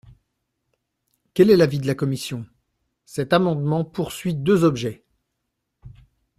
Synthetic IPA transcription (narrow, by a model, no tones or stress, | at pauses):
kʲɛlɛlavid̪əlakɔmisjɔ̃ | sɛt̪amɑ̃d̪mɑ̃puʁsɥid̪øzɔbʒɛ